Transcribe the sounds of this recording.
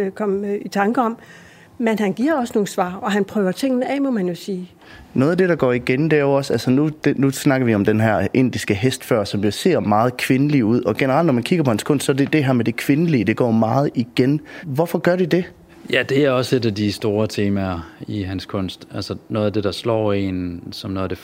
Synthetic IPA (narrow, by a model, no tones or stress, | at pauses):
kʰɒ̽mit͡sʰɑ̈ŋɡ̥əɒ̽m | menɦænɡ̥iɐ̰ɒ̽sno̝ːsʋɑ̰̈ːɒ̽ɦænpʰʁœːʊɐt͡sʰe̝ŋ̰nəɛmɔ̽mænjo̝siː | nɔːð̩ˠæd̥e̝ɾ̥ɑɡ̥ɒ̰ːiɡ̥end̥e̝æoɒ̽sælsənud̥enusnɑ̈ɡ̥ɐʋiɒ̽md̥enɦæɐʔe̝n̰d̥isɡ̥əɦesd̥fɶɐ̰sɒ̽mjo̝se̝ɐ̰mɑ̈ːð̞̩ˠkʰʋe̝nəliuð̞̰ˠɒ̽ɡ̥e̝nəʁɑ̈l̰d̥nɒmænkʰiɡ̥ɐpʰɒ̽hænskʰɔ̽n̰sd̥sɒ̽ɐd̥ed̥eɦæɐ̰med̥e̝kʰʋe̝nəliəd̥e̝ɡ̥ɒ̰ːmɑ̈ːð̞̩ˠiɡ̥enʋɒfɒ̽ɡ̥ɶɐɾ̥id̥e̝ | jæd̥e̝æɐɒ̽se̝dæd̥isd̥o̝ːɐt͡sʰe̝ːmæɐiɦænskʰɔ̽n̰sd̥ælsənɔ̽ːð̩ˠæd̥e̝ɾ̥ɑ̈slɒ̰ːe̝̰ːnsɒ̽mnɔːd̥e